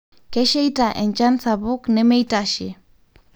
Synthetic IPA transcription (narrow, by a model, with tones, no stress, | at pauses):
kɛ˦ʃe˦jta˨ʔɛ˨ɲt͡ʃa˦nsabʊ˦knɛ˦me˦jtaʃi˨